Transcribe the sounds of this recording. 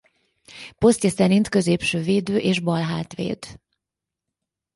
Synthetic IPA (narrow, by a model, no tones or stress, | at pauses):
po̞st̪jɛsɛɾint̪kø̞zeːpʃøːveːd̪øːʔeːʒbɒlɦaːt̪ʋḛːd̪